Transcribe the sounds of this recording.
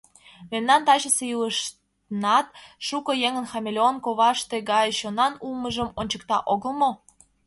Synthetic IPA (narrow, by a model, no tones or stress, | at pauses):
memnɑnt̪ɑɕəsejuləʃt | ənɑt̪̚ʃukojeŋə̆nxɑmʲelʲeonkoβɑʃt̪e̽ɡɑjɕonɑnulməʒəmonʲt͡ɕək̚t̪ɑʔoɣə̆lmo